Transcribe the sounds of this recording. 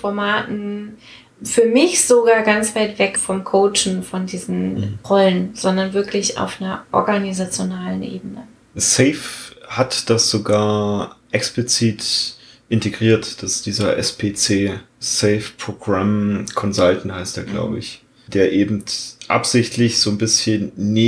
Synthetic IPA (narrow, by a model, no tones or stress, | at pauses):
fɔɐmaːtn̩ | fyːɐmɪçz̥oɡaːɐɡant͡sv̥aɪtv̥ɛkfɔmkʰoʊt͡ʃn̩fɔndiːzn̩ʁɔlənz̥ɔndɐnvɪɐklɪça̰ʊfnɐɐʔɔ̰ɐɡanizat͡sjonaːlənʔḛːbənə | sɛɪfhatd̥asz̥oɡaːɐʔɛksplit͡siːt | ʔɪntʰeɡʁiːɐtd̥asd̥iːzɐʔɛ̰spʰeːt͡seː | sɛɪfpʁ̥oɡʁamkʰɔnzaltn̩haɪsteːɐɡla̰ʊbəɪç | d̥eːɐʔeːbm̩tʔa̰pz̥ɪçtʰlɪçz̥oːnbɪsçənːeː